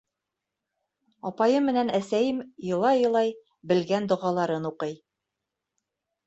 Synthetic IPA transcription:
ɒpɑjɤmːɘ̆nænæsæjɘmjɤ̆lˠɑjɤ̆lˠɑj | bɘ̆lɡænd̪ŏʁɑlˠɑɾɤnuqɤj

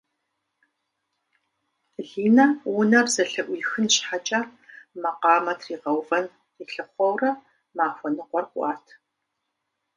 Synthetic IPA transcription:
ɮiːnɐwʊnɐrzɐɬɐʔʷiːxɨnɕħat͡ʃʼamɐqɑːmɐtʰriːʁɐwvɐn | riːɬɨχʷɔwrɐ | maːxʷɔnɨqʷɔrkʷʼɑ̰ːtʰ

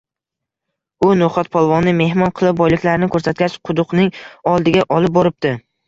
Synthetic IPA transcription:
ʊnoχɒt̪̚pʰɒlˠvɒnɪme̞ɦmɒnqʰɨlˠɪp̚bɒjlɪkʲlaɾnɪkʰɵɾsat̪̚kʲat͡ʃqʰʊd̪ʊqnɪŋɒlˠd̪ɪɡʲaʔɒlˠɪp̚bɒɾɪp̚t̪ɪ

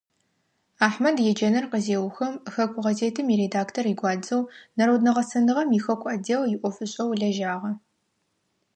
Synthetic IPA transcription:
aːħmɐdjɛd͡ʒɐnɐrqəzeːwxɐmxɐkʷʰʼʊʁɐzeːtʰɨmiːɾedaːktʰoriɡʷɑːd͡zɐwnɐɾowdnɐʁɐsɐnɨʁɐmixɐkʷʼɐdewjɪʔʷɔfɨɕʼɐwɮɐʒaːʁɐ

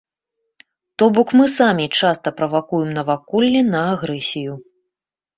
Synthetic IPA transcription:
t̪ɔbɔkmɨsamʲit͡ʂast̪ɐpɾɐvakujɛmnɐvakɔlʲːinɐːɣɾɛsʲiju

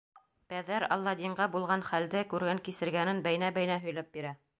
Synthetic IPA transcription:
pæðæɾɑ̰lˠːɑd̪ʲiɴɢɑbulˠʁɑnχæld̪ɘkʉɾɡæŋkisɘ̆ɾɡænɘnbæjnæbæjnæɦɵ̆jlæp̚biɾæ

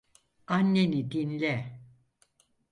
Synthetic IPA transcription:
anːenid̪inlɛ

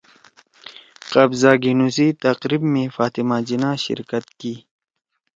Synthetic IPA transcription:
qɐbzaːɡinuzit̪ɐqɾibmẽfaːt̪imaːd͡ʑinaːɕɪ̰ɾkɐt̪kiː

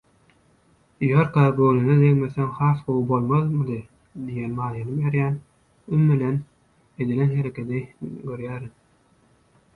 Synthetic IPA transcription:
jøɾkɑbølined̪eŋmeθeŋhɑːθqowɯbolˠmɑðmɯd̪ɯ | d̪ijenmɑːjɯnɯmjeɾjæːn | ymːilen | e̞d̪ilenɦe̞ɾekʲʰe̞d̪iɡøɾjæːɾin

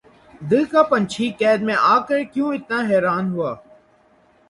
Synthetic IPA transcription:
d̪əːkaːpənt͡ʃʰiːkɛːd̪mẽːʔaːkəɾkjũːɪt̪naːɦɛːɾaːnɦʊaː

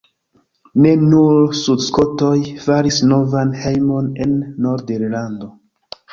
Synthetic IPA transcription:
ne̞nuɾsudsko̞to̞jfaɾisno̞vanhejmo̞ne̞nːo̞ɾdeɾlando̞

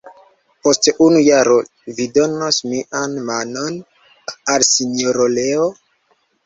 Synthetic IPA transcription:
posteʔunujaɾo | vidonosmiʔanmanon | alsinoɾoleo

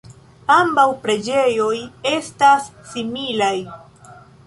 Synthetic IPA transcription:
ambawpɾe̞d͡ʒe̞jo̞je̞stasːimilaj

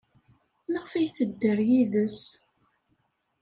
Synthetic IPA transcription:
məʁfijθəd̪ːəɾjiðəs

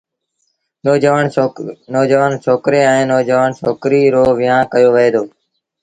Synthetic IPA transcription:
noːd͡ʒʋaːɳnɔːd͡ʒəʋaːnt͡ʃʰoːkɾeːɛ̃ːnɔːd͡ʒəʋaːnt͡ʃʰoːkɾiːɾoːʋɪjãːkəjoːʋəeːd̪oː

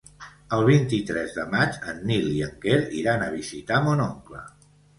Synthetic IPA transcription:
əlˠβint̪it̪ɾɛzðəmat͡ʃənːiliəŋkeɾḭɾanəβ̞izit̪amonoŋklə̰

